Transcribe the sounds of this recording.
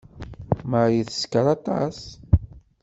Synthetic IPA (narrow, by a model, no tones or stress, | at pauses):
məɾjəθə̥skəɾˤɑt̪ˤɑ̰s